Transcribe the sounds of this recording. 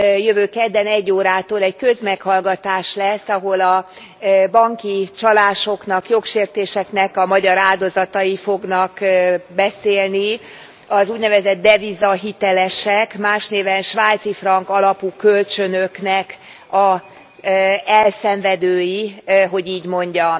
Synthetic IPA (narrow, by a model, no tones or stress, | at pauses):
jøvøːkɛd̪ːɛnɛɟːoːɾaːt̪oːlɛɟkø̞zmɛkhɒlɡɒt̪aːʃlɛsːɒɦo̞lɒ | bɒŋkit͡ʃɒlaːʃo̞kn̪ɒkjo̞kʃeːrt̪eːʃɛknɛkɒmɒɟɒɾaːld̪o̞zɒt̪ɒjifo̞ɡnɒkbɛseːlni | ɒzuːɟnɛvɛzɛd̪̚ːɛvizɒɦit̪ɛlɛʃɛkmaːʃneːvɛnʃʋaːt̪sifrɒŋkɒlɒpuːkølt͡ʃø̞nøknɛk | ɒ | ɛlsɛɱvɛd̪øːjiɦo̞ɟiːɟmo̞ɲɟɒm